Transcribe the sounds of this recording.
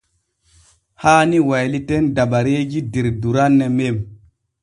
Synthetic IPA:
haːniwajlitendaɓaɾeɡidiɾduɾanːemem

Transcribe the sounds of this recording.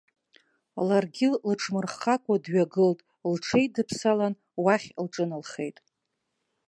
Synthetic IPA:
larɡʲɪlʈ͡ʂʰmɨrχakʷʼadɥaɡɨltʼ | lʈ͡ʂʰejdɨpʰsalan | waχʲlʈ͡ʂʼɨnɨlχe̞̰jtʼ

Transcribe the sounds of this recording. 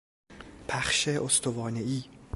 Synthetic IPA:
pʰæχʃeʔost̪ʰovɒːneiː

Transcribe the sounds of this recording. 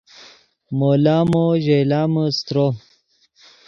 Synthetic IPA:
molaːmoʑejlaːməst̪ɾo

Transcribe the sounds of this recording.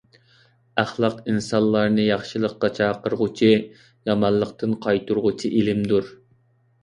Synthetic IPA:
æχlˠɑqinsɑnlˠɑɾnɨjɑχʃɨlˠəqːɑt͡ʃʰɑːqəɾʁʊt͡ʃʰi | jɑmɑnlˠəqt̪ɨnqʰɑjt̪ʰuɾʁʊt͡ʃʰiʔilɪmd̪uɾ

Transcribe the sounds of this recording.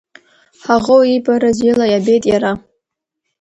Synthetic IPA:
ħaʁowibʼaɾazilajabe̞jtʼjaɾa

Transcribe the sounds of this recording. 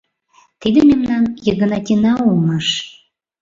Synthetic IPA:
t̪id̪əmʲemnɑnjəɣə̆nɑtʲinɑulmɑʃ

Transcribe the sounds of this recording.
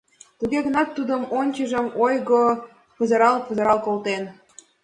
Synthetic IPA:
t̪uɣeɣə̆nɑt̪ːud̪əmonʲt͡ɕə̆ʒə̆mojɣo | pə̆zɤɾɑlpə̆zɤɾɑlkolt̪en

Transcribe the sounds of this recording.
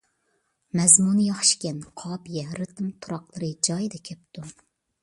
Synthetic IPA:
mɛzmunɨjɑχʃkʲɛnqʰɑːbijɛɾɨt̪ɨmt̪ʰuɾɑqlˠɨɾɨd͡ʒɑjd̪ɛkʲʰɛp̚t̪u

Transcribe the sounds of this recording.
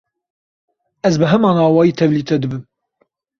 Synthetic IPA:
ɛzbɨɦɛmɑːnɑːwɑːjiːt̪ʰɛvliːt̪ʰɛd̪ɨbɨm

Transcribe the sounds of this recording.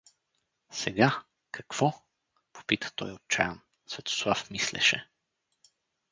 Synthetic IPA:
sɛɡa | kɐkv̥ɔ | po̥pit̪ə̥t̪ɔjot̪̚t͡ʃajən | svɛt̪o̥slˠafmislɛ̰ʃɛ̰

